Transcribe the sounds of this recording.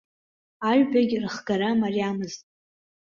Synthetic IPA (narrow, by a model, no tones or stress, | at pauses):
aɥbaɡʲrɨχɡaɾamariamɨztʼ